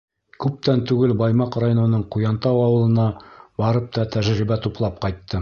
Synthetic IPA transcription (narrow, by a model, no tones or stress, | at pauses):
kʉp̚t̪ænt̪ʉɡɘlbɑjmɑqrajonɤ̆nɤɴqujɑnt̪ɑwɑwɤ̆lˠɤ̆nɑbɑɾɤp̚t̪ɑt̪æʒɾibæt̪uplˠɑp̚qɑjt̪ːɤ